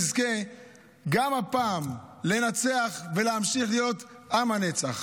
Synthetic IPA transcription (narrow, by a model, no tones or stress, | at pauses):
zke̞ | ɡamapaːmle̞nat͡se̞aχve̞leamʃiχlijo̞t | amanet͡saχ